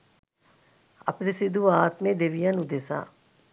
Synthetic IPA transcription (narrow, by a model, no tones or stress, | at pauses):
ɐ̰pnɪsɪd̪ʱuaːt̪mẽd̪eʋijanud̪eːsa̰ː